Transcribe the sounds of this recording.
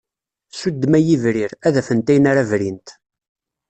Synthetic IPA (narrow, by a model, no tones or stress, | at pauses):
sud̪ːmæjivɾiɾæðæfənt̪æjnaɾævɾint̪